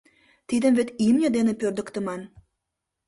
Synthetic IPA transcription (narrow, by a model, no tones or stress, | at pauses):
t̪id̪əmvet̪imnʲəd̪enĕpørd̪ə̆kt̪ə̆mɑn